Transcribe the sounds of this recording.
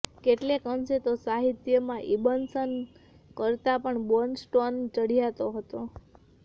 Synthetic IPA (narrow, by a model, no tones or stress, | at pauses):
keʈlekəmʃet̪osaɦit̪jəmãʔibənsən | kəɾt̪apəɳbonsʈont͡ʃəɽ̤ijat̪oɦət̪o